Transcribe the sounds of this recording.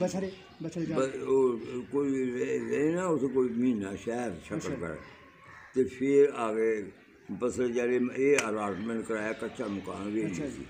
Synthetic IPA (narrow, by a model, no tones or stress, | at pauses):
bəoːkoːiɾeɾeenaːʊsekoːimiːnaːʃɛːɾʃəəlkə̰ɾɛ̰ | t̪epʰɪɾaːɡeː | bəsəd͡ʒɛːɾeeːəlaːɾʈmə̃ɳʈkəɾaːaːkətːʃʰaːmʊka̰ːnʋeːlisḭː